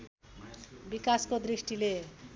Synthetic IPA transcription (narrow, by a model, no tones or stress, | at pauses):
bikaskod̪risʈile